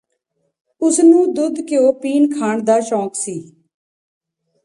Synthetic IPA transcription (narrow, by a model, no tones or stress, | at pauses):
ʊsnũːd̪ʊd̪kɪoːpiːnkʰaːɳd̪aːʃɔ̃ːksiː